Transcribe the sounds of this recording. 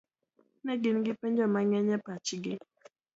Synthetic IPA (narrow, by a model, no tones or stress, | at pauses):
nɛɡinɡipend͡ʒɔmaŋɛɲɛpat͡ʃiɡɪ